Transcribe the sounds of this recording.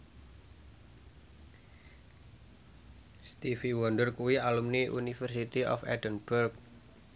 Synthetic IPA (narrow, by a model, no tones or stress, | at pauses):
st̪ifiwɔndərkuwialumniʔunifərsit̪iʔɔ̰fɛ̰dənb̥ərk̚